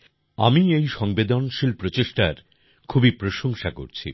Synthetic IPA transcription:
a̰miejʃɔŋbed̪onʃilpɾot͡ɕeʃʈaɾ | kʰubipɾoʃoŋʃako̰ɾt͡ɕʰḭ

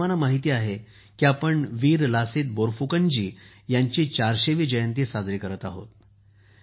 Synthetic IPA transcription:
anamaɦit̪iːaɦe | kiapəɳʋiːɾlasiːt̪̚boɾfukəɲd͡ʑiː | jaɲt͡ɕiːt͡ɕaɾɕeʋiːd͡ʑəjənt̪iːsad͡zɾikəɾət̪aɦo̰t̪

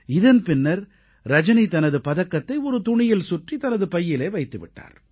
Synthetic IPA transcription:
ɪðɐnpɪnːɐɾ | ɾɐd͡ʒɐnit̪ɐnɐðɯpɐðɐkːɐt̪ːɐɪɔɾɯt̪ʊɳɪjɪlsʊʈrit̪ɐnɐðɯpɐjːɪleːʋɐɪt̪ːɯʋɪ̰ʈːa̰ːɾ

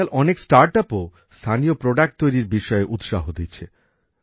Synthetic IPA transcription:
alʔɔneksʈaɾʈapo | st̪ʰanijopɾoɖak̚ʈ̚t̪ojɾiɾbiʃɔeʔut̪ʃaɦod̪itːt͡ɕʰe

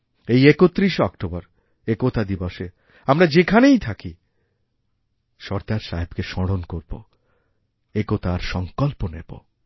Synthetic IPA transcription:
ejekot̪ːɾiʃɔkʈobaɾ | ekot̪ad̪ibɔʃe | amɾad͡ʑekʰanejt̪ʰaki | ʃɔɾd̪aɾʃaɦebkeʃɔɽonkoɾbo̰ | ekot̪aɾʃɔŋkɔlponḛbo̰

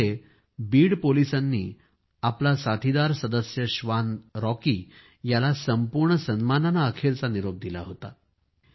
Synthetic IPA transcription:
e | biːɽpolisanːḭː | aplasat̪ʰid̪aɾsəd̪əsjəɕʋanɾɔkiː | jalasəmpuɾɳəsənmananaːkʰeɾt͡saniɾob̚d̪ila̰ɦot̪a̰

